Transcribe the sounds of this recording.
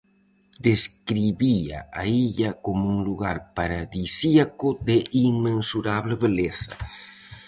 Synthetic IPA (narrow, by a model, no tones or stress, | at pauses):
d̪eskɾiβia̰ʔaiʎakomouŋluɣaɾpaɾaðisiakʊd̪eʔiŋmẽnsuɾaβleβeleθɐ̰